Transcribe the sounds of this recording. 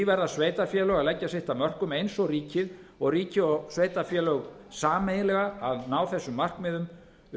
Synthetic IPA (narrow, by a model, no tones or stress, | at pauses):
ivɛɾasveːjt̪afjɛːlœɣalɛcːasɪht̪amœr̥kʏmejnsɔɣriːcɪð | ɔɣriːcɪɔɣsveːjt̪afjɛːlœɣ | saːmejɪlɛɣaːðnaːwθɛsːʏmːar̥kmɪðʏm